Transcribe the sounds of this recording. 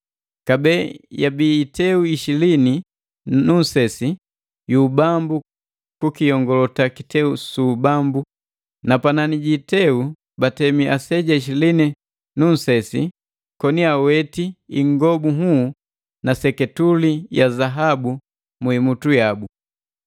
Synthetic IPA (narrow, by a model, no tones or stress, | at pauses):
kabɛːjabiːtɛuiʃilini | nun̩sɛsi | juːbambu | kukijɔŋɡɔlɔtakitɛusuːbambu | napananiɟitɛu | batɛmiʔasɛɟaiʃ̬ilini | nun̩sɛsi | kɔniawɛtiiŋɡɔbuɦu | nasɛkɛtulijazaɦabu | muimutujabu